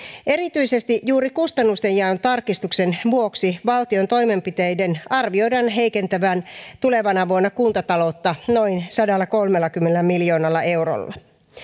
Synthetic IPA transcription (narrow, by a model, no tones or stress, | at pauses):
e̞ɾit̪yise̞st̪iʔjjuːɾikust̪ɑnːust̪e̞jjæont̪ɑrkist̪ukse̞nʋuo̞ksiʋɑlt̪io̞nt̪o̞jme̞mpit̪e̞jde̞nɑrʋio̞jdɑnɦe̞jke̞nt̪æʋæːnt̪ule̞ʋɑnɑʋuonːɑkunt̪ɑt̪ɑlo̞t̪ːɑno̞insɑdɑlːɑko̞lmelːɑkymːenelːæmiljo̞ːnɑlːɑe̞wro̰lːɑ̰